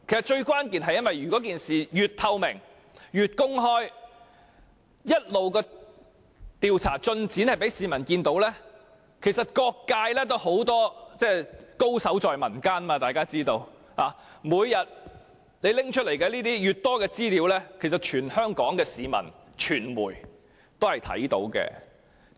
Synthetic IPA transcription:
kʰe˨˩jsɐ˩t̚t͡ʃɵ˧ɥkʷaː˥nkiː˨nɦɐ˨jɐ˥nwɐ˨jɥyː˨˩kɔː˨˥k̬iː˨nsiː˨jyː˨t̚t̪ʰɐ˧wmɪ̰˨˩ŋ | jyː˨t̚kʊ˥ŋɦɔː˥j | jɐ˥t̚lo˨wkɛː˧ | t̪iː˨wt͡sʰa̰ː˨˩t͡ʃɵ˧nt͡siː˨˥nhɐ˨jpe˨˥jsiː˨˧mɐ˨˩nkiː˧nt̪o˨˧˥wlɛː˥ | kʰe˨˩jsɐ˨t̚kɔː˧kːaː˧jlɛː˥t̪̬o˥who˨˥wt̪ɔː˥t͡sɛː˥˩ko˥wsɐ˨˥wt͡sɔː˨jmɐ˨˩nkaː˥nmaː˧t̪aː˨jkaː˥t͡siː˥t̪o˧w | haː˨ | muː˨˧jjɐ˨t̚ | le˨˧jlɪ˥ŋt͡ʃʰt̚le˨˩jkɛː˧liː˥t̪iː˥jyː˨t̚t̪ɔː˥kɛː˧t͡siː˥liː˨˥wlɛː˥kʰe˨˩jsɐ˨˩t̚t͡ʃʰyː˨˩nhœː˥ŋkɔː˨˥ŋkɛː˧siː˨˧mɐ̰˨˩n | t͡ʃʰyː˨˩nwṵː˨˩j | t̪o˥whɐ˨jt̪ʰɐ̰˨˥jt̪o̰˨˥wkɛ̰ː˧

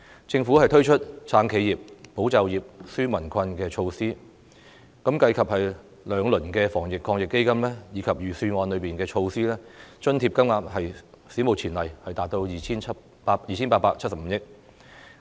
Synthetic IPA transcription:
t͡sɪ˧ŋfu˨˥hɐ˨jt̪ʰɵ˥ɥt͡ʃʰɵ˥t̚t͡sʰaː˧ŋkʰe˨˧jiː˨p̚ːo˨˥wt͡sɐ˨wjiː˨˩p̚syː˥mɐ˨˩nkʰɐ˧nkɛː˧t͡ʃʰo˧wsiː˥ | kɐ˨˥mkɐ˧jkʰɐ˨p̚hɐ˨j | lœː˨˧ŋlɵ˨˩nkɛː˧fɔː˨˩ŋjɪ˨kʰːɔː˧ŋjɪ˨kːe˥jkɐ˥mlɛː˥jiː˨˧˥kʰɐ˨p̚jyː˨˩syː˧nwɔː˨˧nlɵ˨˧piː˨˩nkɛː˧t͡ʃʰo˧wsiː˥lɛː˥t͡ʃɵ˥nt̪ʰiː˧p̚kɐ˥mŋaː˧phɐ˨j | si˨˥mo˨wt͡sʰiː˨˩nlɐ˨˩jhɐ˨jt̪aː˨t̚t̪o˧wjiː˨t͡ɕʰiː˥nʰɐ˥ | paː˧jiː˨t͡ɕʰiː˥npaː˧paː˧k̚t͡ʃʰɐ˥t̚sɐ˨pm̩˨˧jɪ˥k̚

